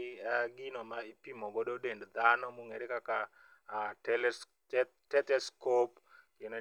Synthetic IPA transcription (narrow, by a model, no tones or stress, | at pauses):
aɡinɔmaipimoɡododendd̪anɔmuŋeɾekaka | ɛlɛ | tɛtɛskop | ken